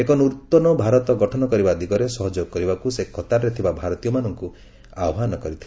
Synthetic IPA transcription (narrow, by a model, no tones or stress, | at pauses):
ekɔnuɾt̪ːɔnɔbʱaɾɔt̪ɔɡɔʈʰɔnɔkɔɾibad̪iɡɔɾesɔɦɔd͡ʒɔkɔɾibakusekʰɔt̪aɾɾet̪ʰibabʱaɾɔt̪ijɔmanɔŋku | awɔɦanɔkɔɾit̪ʰile